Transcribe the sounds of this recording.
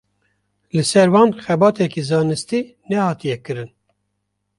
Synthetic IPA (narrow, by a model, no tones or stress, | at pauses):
lɨsɛɾwɑːnxɛbɑːt̪ɛkizɑːnɨst̪i | nɛhɑːt̪ijɛkɨɾɨn